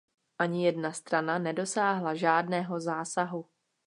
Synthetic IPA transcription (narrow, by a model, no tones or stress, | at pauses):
ʔaɲɪjɛdnast̪ɾananɛdo̞saːɦlaʒaːdnɛːɦo̞zaːsaɦu